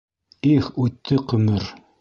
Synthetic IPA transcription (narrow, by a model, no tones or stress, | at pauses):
iχʉt̪ʰːɘqɵ̆mɘɾ